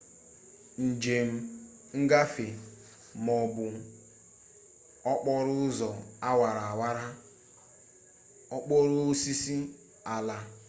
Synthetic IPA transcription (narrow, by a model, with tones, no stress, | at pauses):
n̩˨d͡ʒe˨m̩˦ | ŋ̩˦ɡa˦fe˨ | mɔ˨bʊ˨ | ɔ˦k͡pɔ˦ɾʊ˦zɔ˨a˦wa˨ɾa˨a˨wa˦ɾa˦ | ɔ˦k͡pɔ˦ɾʊ˦si˦si˦ | a˨la˨